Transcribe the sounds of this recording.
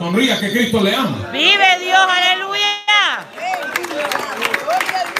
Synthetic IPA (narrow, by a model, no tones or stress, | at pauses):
onriakekɾispoleamo̰biβeðjosaleluja